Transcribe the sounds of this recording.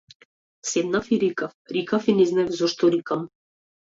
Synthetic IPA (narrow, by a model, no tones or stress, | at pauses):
sɛbnafiɾikafɾikafinɛznaɛvzɔʃt̪ɔɾikam